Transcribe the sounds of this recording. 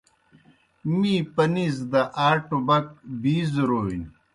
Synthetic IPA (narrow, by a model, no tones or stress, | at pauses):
mipɐnizd̪ɐʔaːʈubɐk̚biːzɾoːin